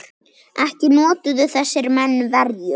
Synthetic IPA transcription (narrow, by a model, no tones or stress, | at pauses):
ɛhcɪnɔːt̪ʏðʏθɛsːɪɾmɛnːvɛɾjʏ